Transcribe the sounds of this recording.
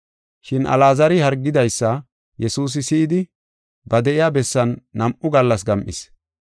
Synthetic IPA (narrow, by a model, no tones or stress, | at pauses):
ʃɪnʔɐ̰laːzɐɾɪhɐɾɡːɪd̪ɐjsːɐ | jɛsuːs̬ɪsɪʔɪd̪ɪ | bɐd̪ɛʔɪjaːbɛsːɐnːɐmʔʊɡɐlːɐs̬ɡɐmʔɪ̰s